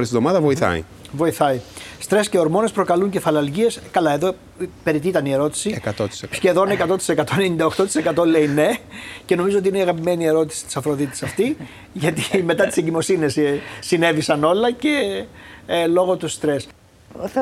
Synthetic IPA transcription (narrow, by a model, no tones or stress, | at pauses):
ɾist̪iðomɐðɐvo̞iθɐ̰ḭ | vo̞iθɐist̪ɾe̞sceo̞ɾmo̞ne̞spɾo̞kɐluɲce̞fɐlɐlʝie̞skɐlɐe̞ðo | pe̞ɾit̪it̪ɐnie̞ɾo̞t̪i̥siekɐt̪ot̪i̥ssçe̞ðo̞ne̞kɐt̪ot̪i̥se̞kɐt̪o̞enenind̪ɐoxt̪o̞t̪ise̞kɐt̪o̞le̞ine̞ce̞no̞mizoot̪iineiɐɣɐpime̞nie̞ɾo̞t̪i̥si̥t̪i̥sɐfɾo̞ðit̪t̪e̥sɐft̪i | ʝɐt̪ime̞t̪ɐt̪i̥seɲɟimo̞sinessine̞visɐno̞lɐce̞ | lo̞ɣo̞t̪ust̪ɾe̞s